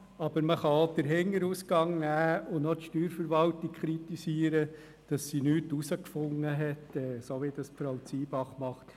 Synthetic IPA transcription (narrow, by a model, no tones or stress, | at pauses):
ɑb̥əɾməχɑod̥əɾɦɪŋːəɾuːsɡɑŋnæːʊnnotʃtyːɾfəɾʋɑltik̚kχɾit̪isiəɾə | d̥ɑsːinyːtusəkfʊŋːəɦɛtɛːsoʋid̥ɑspɾɑlt͡siːbɑχmɑχt